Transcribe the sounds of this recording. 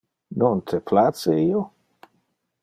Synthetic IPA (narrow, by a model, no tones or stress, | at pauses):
nont̪ʰepʰlat̪seiːo